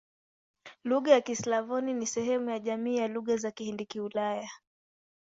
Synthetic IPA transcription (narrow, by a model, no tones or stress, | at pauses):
luɣajakislavɔninisɛɦɛmujaʄamiːjaluɣazakihindikiulaja